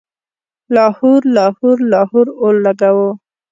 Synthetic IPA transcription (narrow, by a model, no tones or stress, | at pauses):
lɑhuɾlɑhuɾlɑhuɾolːaɡawo